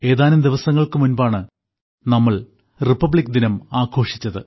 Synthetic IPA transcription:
e̞ːðaːnlumd̪iʋɐsɐŋːɐɭkɨmunbaːɳɨ | nɐmːɐɭ | ripːɐbɭikːd̪inɐmaːkʰo̞ːʂit͡ɕːɐðɨ

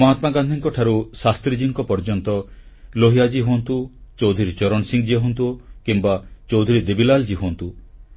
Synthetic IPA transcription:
mɔɦat̪maɡand̪ʱiŋkɔʈʰaɾusast̪ɾid͡ʒiŋkɔpɔɾd͡ʒɔnt̪ɔ | loɦijad͡ʒiɦuɔnt̪ut͡ʃowd̪ʱuɾit͡ʃɔɾɔnsiŋd͡ʒiɦont̪ukimbat͡ʃowd̪ʱuɾid̪ebilald͡ʒiɦuɔnt̪u

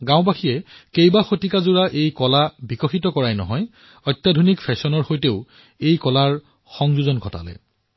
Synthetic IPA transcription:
ɡãʊ̃baxijɛkejbaxotikazuɹaʔejkɔlabikɔxitɔkɔɹajnɔ̰ɦɔj | ɔjtjadʱunikpʰɛsɔnɔɹxojteʊ | ejkɔlaɹ | xɔŋzuzɔnɡʱɔta̰lɛ̰

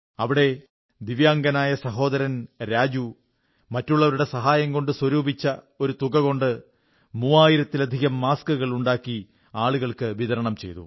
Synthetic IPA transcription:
ɐʋiɽe̞ | d̪iʋjaːŋɡɐnaːjɐsɐɦo̞ːd̪ɐɾɐnɾaːd͡ʑu | mɐtːuɭːɐʋɐɾuɽe̞sɐɦaːjɐŋko̞ɳɖɨswɐɾuːbʱit͡ɕːɐ | o̞ɾut̪uɣɐɣo̞ɳɖɨ | muːaːjiɾɐt̪ːilɐd̪ʱiɣɐmːaːskɨɣɐɭuɳɖaːkːi | aːɭuɣɐɭkɨʋiðɐɾɐɳɐmt͡ɕe̞jt̪ṵ

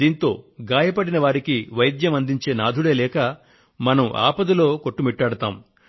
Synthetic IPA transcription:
d̪iːnt̪o̞ːɡaːjɐpɐɽinɐʋaːɾikiʋɐjd̪jɐmɐnd̪iɲt͡ʃe̞ːnaːd̪ʱuɽe̞ːlɛːkɐ | mɐnɐma̰ːpɐd̪ulo̞ːko̞ʈːumiʈːaːɽɐt̪aːm

